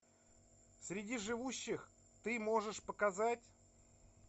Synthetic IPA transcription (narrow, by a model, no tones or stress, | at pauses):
sʲɾʲɪdʲiʐɨvuɕːɪx | t̪ɨmo̞ʐɨʂpəkɐzatʲ